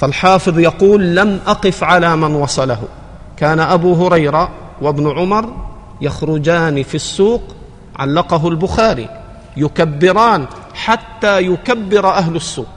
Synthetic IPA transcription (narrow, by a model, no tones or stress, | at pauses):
falħɑːfɨðˤjɑquːlːamʔaqɪfʕalaːmanwɑsˤɑlaɦʊ̰ | kaːnaʔabuɦʊɾɑjɾa | wabnʕʊmɑɾˤ | jaxɾʊd͡ʒaːnifisːuːq | ʕa̰lːɑqɑɦʊlbʊxaːɾḭ | jʊkabːɪɾaːn | ħat̪ːaːjʊkabːɪɾˤʔaɦlʊsːuːq